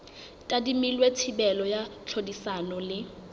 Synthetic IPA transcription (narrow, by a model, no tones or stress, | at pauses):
tʼadimilwetʰibɛlɔjat͡ɬʰodisanɔlɪ